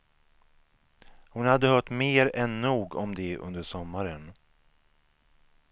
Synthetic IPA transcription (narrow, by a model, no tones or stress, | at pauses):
hʊnhad̪ːəhœːʈmeːɾɛnːuːɡɔmd̪ɛʔɵ̰nd̪əʂɔmːaɾən